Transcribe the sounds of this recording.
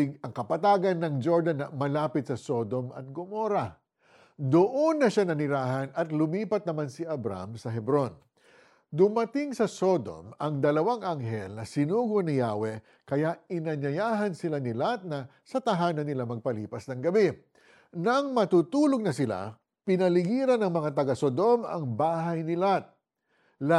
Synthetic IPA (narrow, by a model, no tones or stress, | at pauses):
ɡɐŋkɐpɐt̪aːɡɐnːɐŋd͡ʒoɹd̪anːɐmɐlaːpɪt̪sɐso̞d̪o̞mɐ̰t̪̚ɡomoɾɐ | d̪ʊʔonːɐʃanɐnɪɾaːɦɐnɐt̪lʊmiːpɐt̪̚nɐmansɪʔɐbɾa̰msɐɦɛbɾo̞n | d̪ʊmɐt̪ɪŋsɐso̞d̪o̰mɐŋd̪ɐlɐwaŋʔaŋɦɛlnɐsɪnuːɡonɪjaːwɛ | kɐjaɪnɐɲɐjaːɦɐnsɪlanɪlat̪̚nɐ | sɐt̪ɐɦaːnɐnːɪlamɐɡ̚pɐliːpɐsnɐŋɡɐbɛ | nɐŋmɐt̪ut̪uːloɡ̚nɐsɪla̰ | pɪnɐlɪɡiːɾɐnːɐŋmɐŋat̪̬ɐɡasod̪o̞mɐ̰ŋbaːɦɐjnɪlat̪̚ | la